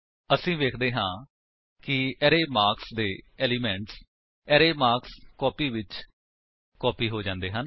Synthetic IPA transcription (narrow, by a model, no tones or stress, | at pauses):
əsĩːʋeːkʰd̪eːɦãː | kɪɛɾeːmaːɾksd̪eːɛːliːmɛ̃ːɳʈs | ɛːɾeːmaːɾkskɔːpiːʋɪt͡ʃ | kɔːpiːɦoːd͡ʒãːnd̪eːɦən